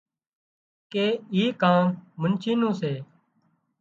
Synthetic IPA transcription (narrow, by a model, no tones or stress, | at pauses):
keːiːkaːmmənt͡ʃʰiːnũːseː